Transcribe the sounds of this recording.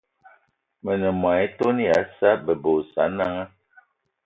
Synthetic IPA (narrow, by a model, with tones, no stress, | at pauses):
mə˨nə˨m˨a˨i˦to˦ni˦a˨˦sa˦bə˨bo˨sa̰˨˦na˦ŋa˦